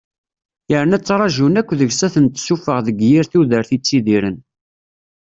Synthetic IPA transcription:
jəɾnæt͡sːɾˤɑʒunækʷːðəʝsæθənt̪sufəʁðəɡjiɾθuðəɾθit͡sːiðiɾən

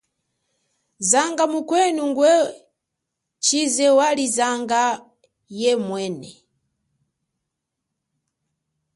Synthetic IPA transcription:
zaŋɡamukwɛnuŋɡwɛ | t͡ʃizɛwalizaŋɡa | jɛmwɛːnɛ

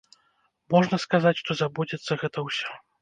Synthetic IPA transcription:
mɔʐnɐskazat͡sʲʂt̪ɔzabud͡zʲɛt̪sːɐɣɛt̪ɐwsʲɔ

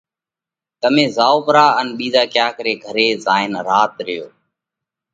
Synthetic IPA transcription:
t̪əmẽːzaːoːpɾaːənɓiːzaːkjaːkəɾeːɡʱəɾeːzaːɪnɾaːt̪ɾɪjoː

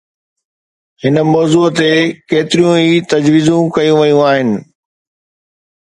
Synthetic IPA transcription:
hɪnəmɔːzuːt̪ekeːt̪ɪɾijũiːt̪ɐd͡ʑʋiːzũkɐjũʋɐjũaːɦɪnɪ̆

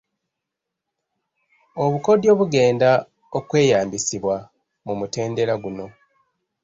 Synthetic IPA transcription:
o̞βuko̞djo̞ːβuɡe̞ːnda | okwe̞ːjaːmbisiβwa | mumute̞ːnde̞ɾaɡuno̞

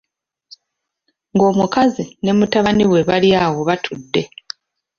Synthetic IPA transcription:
ŋɡo̞ːmukazine̞mutaβaniwe̞βaljaːwo̞βatʰudːe̞

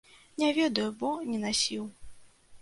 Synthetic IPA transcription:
nʲɛvʲɛd̪ɐjubɔnʲɛnasʲiw

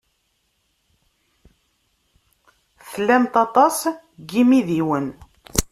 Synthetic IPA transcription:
θəlːæmt̪ɑt̪ˤɑs | ɡimiðiwən

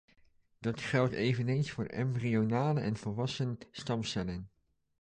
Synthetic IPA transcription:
d̥ɑtχɛlˠtejvənejnsfʊːɹɛ̰mbrionaːləʔɛ̰nvəlˠʋɑsənstɑmsɛlɪŋ

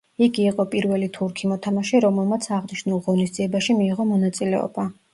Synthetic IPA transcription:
iɡiːqʼɔpʼiɾvɛlit̪ʰuɾkʰimɔt̪ʰamaʃiɾɔmɛlˠmat̪sʰaʁniʃnulˠʁɔnisd̪ziɛbaʃimiːʁɔmɔnat̪sʼilɛɔ̰b̥a

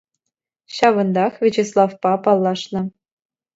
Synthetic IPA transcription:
ɕɑʋɤ̆nd̪ɑχvʲet͡ɕeslˠɑfpɑpɑlˠːɑʂnɤ̆

